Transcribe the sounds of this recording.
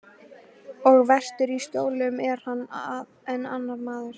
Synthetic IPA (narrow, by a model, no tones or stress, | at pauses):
ɔɣvɛr̥t̪ʏɾist̪joːwlɪʏmɛɾ̥hanːð | ɛnːa̰nːaɾmaːðɪɾ̥